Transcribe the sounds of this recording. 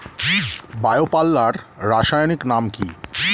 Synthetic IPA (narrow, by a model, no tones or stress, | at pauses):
baeopalːaɾːaʃajoniknamki